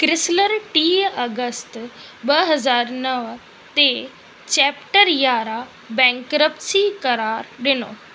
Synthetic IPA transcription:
kɾɪsləɾʈiːɐɡəst̪ | ɓɐɦɐzaːɾnɐʋ | t̪e | t͡ɕɛːpʈəɾjaːɾa | bɛ̃ːŋkɾəpsikɐɾaːɾɗɪno̰ː

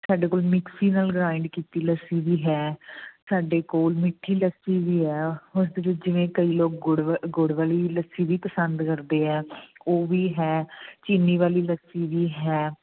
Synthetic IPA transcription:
saːɖeːkoːlmɪksiːnaːlɡɾaːɪɳɖkiːt̪iːləsiːʋiːɦɛːsaːɖeːkoːlmɪʈʰːiːləsiːʋiːɦɛːʊsd̪eːʋɪt͡ʃd͡ʒɪʋẽːkəiːloːk̚ɡɽɡʊɽʋaːliːləsiːʋiːpəsə̃nd̪kəɾd̪eːɛːoːʋiːɦɛːt͡ʃiːnːiːʋaːliːləsiːʋiːɦɛː

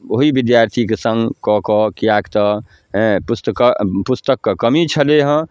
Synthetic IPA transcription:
oɦibɪd̪jaːɾt̪ʰikesə̃ŋɡkɔkɔkijakt̪ə | ɦɛ̃pʊst̪əkapʊst̪əkːakəmit͡ʃʰəleɦə̃

